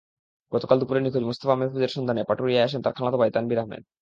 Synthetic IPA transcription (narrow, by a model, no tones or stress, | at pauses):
ɡɔt̪okald̪upuɾeɾnikʰod͡ʑmost̪ofamefʰud͡ʑeɾʃɔnd̪ʱanepaʈoɾiajaʃ̬ent̪aɾkʰalat̪obajt̪anbiɾaɦmḛd̪